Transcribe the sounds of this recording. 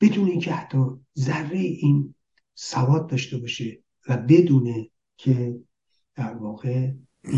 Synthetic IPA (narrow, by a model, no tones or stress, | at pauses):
b̥e̞d̪uːneincʰeæt̪ʰːɒzærːejeʔiːn | sævɒːd̪̚d̪ɒːʃt̪ebɒːʃe | væbe̞d̪uːne | kʰe | d̪̥æɾvɒːɣe̞